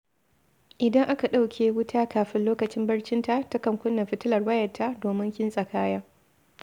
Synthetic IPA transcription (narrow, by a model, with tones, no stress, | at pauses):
ʔɪ˨dɐ˦ŋʔa˦ka˨ɗa˦wkʲʰeː˨wʊ˦tʰaː˦kaː˨ɸɪ˦nloː˦kɐ˨t͡ʃɪ˦mbɐ˦rt͡ʃɪ˦nta˦˨ta˦kɐ˨ŋkʷʊ˦nːɐ˨ɸɪ˦tɪ˦lɐ˨rwɐ˦jɐ˨tʰːa˦doː˨mɪ˦ŋkʲɪ˦nsʼɐ˨kaː˦jaː˦